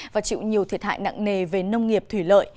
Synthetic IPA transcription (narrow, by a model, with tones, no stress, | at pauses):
vaː˨˩t͡ɕḭ˧˨wɲi˨˩əwt̪ʰi˨˩ət̚ha̰ː˧˨jna̰ː˧˨ŋne˨˩ve˨˩nə˧wŋ͡mŋi˨˩əp̚t̪ʰwi˧˩lə̰ː˧˨j